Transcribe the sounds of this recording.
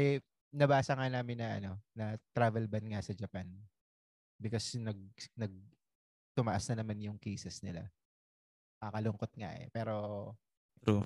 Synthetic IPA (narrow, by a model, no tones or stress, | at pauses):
ɛ | nɐbaːsɐŋanaːmɪnːɐʔɐ̰no̞nɐt̪ɾavɛlbɐnŋasɐd͡ʒɐpan | bɪkɐsnɐɡ̚nɐɡ̚ | t̪ʊmɐʔasnɐnɐmanjʊŋkejsɛsnɪla̰ | kɐkɐlʊŋko̞t̪̚ŋa̰ʔɛ̰pɛːɾo̞ | u